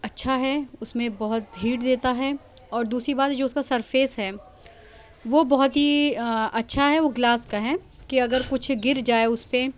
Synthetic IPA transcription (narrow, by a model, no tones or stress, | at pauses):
ɐtːʃʰaɦɛʊsmẽbɔɦʊt̪̚d̪ʱiːʈd̪eːt̪aɦɛ | ɔːɾd̪uːsɾibaːt̪ɦɛd͡ʒoːʊskasɐɾfeːsɦɛː | ʋobɔɦʊt̪ɦiɐtːʃʰaɦɛʋoɡlaːskaɦɛ | kiɐɡəɾkʊt͡ʃʰɡɪɾd͡ʒaːeʊspe